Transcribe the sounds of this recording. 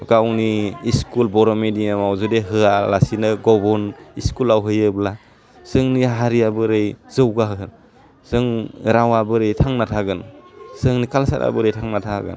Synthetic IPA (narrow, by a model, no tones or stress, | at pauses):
ɡawniːskulbɔɾɔmediŋamawzudeɦɯalasinɯɡɔbɔniskulawɦɯjɯbla | sɯŋniɦaɾijabɯɾejzɯwɡaɦɯ | z̥ɯŋɾawabɯɾɯjtʰaŋnatʰaɡɯnsɯŋnikalsata̰bɯɾejtʰaŋnatʰaɡɯ̰n